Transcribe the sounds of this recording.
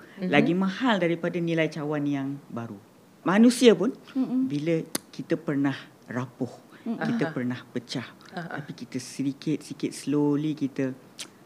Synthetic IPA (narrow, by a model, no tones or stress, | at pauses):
laɡimãhaldaɾipadanilajt͡ʃawanjaŋbaɾu | mãnũsiapʊnbiləkit̪əpərnah | rapʊhkit̪əpərnahpət͡ʃaht̪apikit̪əsədikɪt̪̚sikɪt̪̚səlolikit̪ə